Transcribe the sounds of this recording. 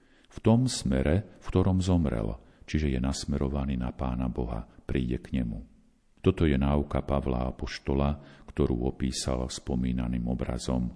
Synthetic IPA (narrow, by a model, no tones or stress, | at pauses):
ft̪ɔmsmɛɾɛfkt̪ɔɾɔmzɔmɾɛ̰l | t͡ʃiʒɛjɛnasmɛɾɔʋaniːnapaːnabɔɦa̰pɾiːɟɛkɲɛmu | t̪ɔt̪ɔjɛnaukapaʋla̰apɔʃt̪ɔlakt̪ɔɾuːɔpiːsa̰lfspɔmiːnaniːmɔbɾa̰zɔm